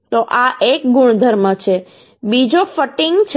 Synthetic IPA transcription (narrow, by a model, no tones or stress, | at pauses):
t̪oʔaʔek̚ɡuɳ̃d̪ʱəɾmət͡ʃʰe | bid͡ʒofəʈiŋɡt͡ʃʰ